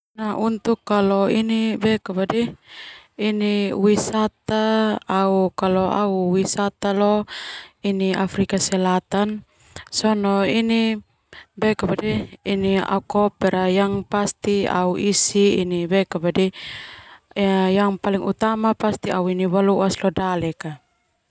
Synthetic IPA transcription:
naʔunt̪ukːalɔinibɛkabadɛ | iniwisat̪aː | ukalɔa̰uwisat̪alɔ | iniafɾikasɛlat̪an | sɔnɔini | bɛkabadɛinia̰ukɔpɛɾajaŋpast̪ia̰uʔisiḭnibɛkabadɛ | jaŋpaliŋut̪amapast̪iauiniwaluaslɔdalɛka

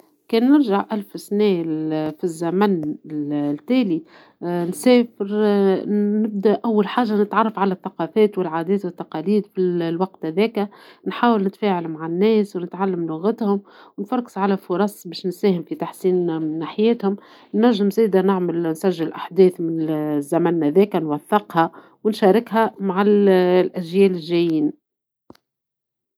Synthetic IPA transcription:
kɛːnːɪɾʒaʕʔælfsnɛːfizːæmæn | t̪ɛːli | nsɛːfɪɾ | nɪb̚d̪æʔawːalħaːʒːanɪt̪ʕɑrˤːɑfʕalæθːɑqɑːfɛːt̪wɪlʕaːd̪ɛːt̪wɪθːɑqɑːliːd̪filwɑq̚t̪hæðɛːkænħaːwɪlnɪt̪fæːʕalmaʕanːɛːswnɪt̪ʕalːamlʊɣat̪hʊmwnfɑɾˤkɪ̥sʕalæfʊɾˤɑsˤbɛːʃnsæːhɪmfit̪aħsiːnmɪnːaːħɪjɛːt̪hʊm | nːæʒːɪmzɛːd̪anɪʕmɪlnsæʒːɪlʔaħd̪ɛːθmɪnzːæmænːæðɛːkænwæθːɪqhɑ | wɪnʃɑːɾɪkhæmaʕalʔæʒjɛːlɪlʒæjiːn

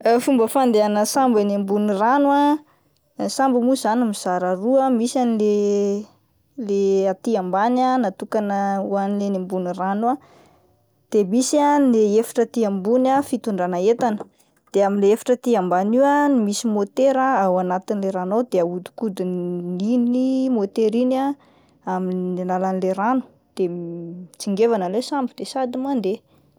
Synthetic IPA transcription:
fumbəfand̪eanəsambanembuniranua | sambəmuzanimiz̥aɾaruəmisanile | leat̪iambananat̪ukanəwanilenembuniranua | d̪̥emisanleefḁʈ͡ʂət̪iambunafit̪uɳɖ͡ʐanaet̪anə̥ | d̪̥eaminleefḁʈ͡ʂət̪iambanianimisimot̪eɾaawanat̪inileɾanod̪eaud̪u̥kud̪ininimot̪eɾina | aminnelalanileranu̥ | d̪̥et͡siŋɡevanəlesambid̪̥esad̪imand̪e

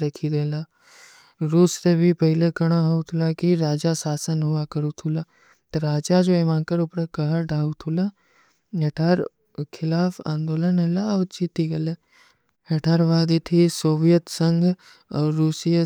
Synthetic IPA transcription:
ɾɐkʰid̪eːlaː | ɾuːst̪ebʱipɐɦɪlekɐɽ̃aɦout̪ʰʊlakiɾaːd͡ʒasaːsənɦʊakɐɾut̪ʰula | t̪ɾaːd͡ʒad͡ʒoemãːkəɾʊpɾekɐɦəɖaːut̪ʰula | ɐʈʰaːɾ | kʰɪlaːfã̰ːnd̪oːlənɦɐlaɔːt͡ʃit̪iɡɐle | ɦɐʈʰaːɾʋaːd̪it̪ʰisoːʋijət̪sə̃ŋɡ | ɔːɾːuːsijə

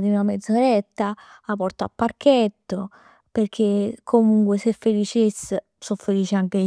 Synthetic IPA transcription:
d̪inuamed̪zoɾet̪ːaapɔrt̪oa̰pːark̟et̪ːo | perk̟ekʰːomuŋkwesefːelit͡ʃesː | sofːeliːt͡ʃeaŋk̟e

